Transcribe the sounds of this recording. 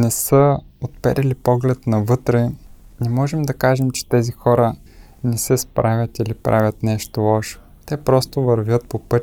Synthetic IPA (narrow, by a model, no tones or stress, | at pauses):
nɛsɤot̪̚pɛ̰ɾʔilipɔɡlɛt̪nɐvɤt̪ɾɛnɛmɔʒɛmd̪ɐkaʒɛmt͡ʃɛ̥t̪ɛzixɔɾə | nɛsɛspɾavʲjɐt̪ilipɾavʲɐt̪nɛʃt̪olˠɔʃo̥ | t̪ɛpɾɔst̪ovɐɾvʲjɤt̪̚popɤt̪ʲ